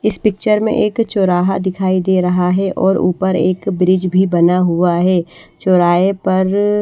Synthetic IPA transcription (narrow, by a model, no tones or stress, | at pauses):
ɪspɪk̚t͡ʃəɾmḛ̃ʔeːkt͡ʃoːɾaːɦad̪ɪkʰaːid̪eːɾɐɦaɦɛʔɔːɾṵːpəɾeːkbɾɪd͡ʒbʱibɐnaɦuaɦɛːt͡ʃoːɾaːepɐɾ